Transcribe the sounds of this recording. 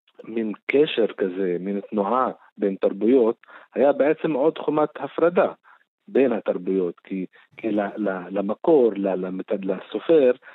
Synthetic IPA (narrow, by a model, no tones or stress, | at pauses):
minkeʃeɾkazemint̪nuʕa | bent̪aɾbujo̞t̪hajabeʕet͡semʕo̞d̪χumat̪hafɾad̪a | benhat̪aɾbujo̞t̪ki | kilalalamakoɾlalamt̪alasofeɾ